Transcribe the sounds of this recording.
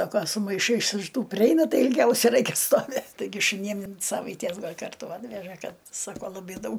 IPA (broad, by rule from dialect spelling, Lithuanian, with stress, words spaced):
ˈsɑːkoː sʊ mɐɪˈʃɐɪs ɪʃ ˈtuː pʲrʲɪˈɛɪnɐ ˈtɐɪ ɪlʲˈɡʲɛʊsʲɛ ˈrɐɪkʲɛ stoːˈʋʲeːt tɐɪˈɡʲɪ ʃʊˈnʲiːm ɪn ˈsɑːʋɐɪtʲiɛs ˈɡɐlʲ ˈkɐrtʊ ˈɑːtʲʋʲɛʒɐ ˈkɐt ˈsɑːkoː lˠɐˈbɐɪ ˈdɐʊk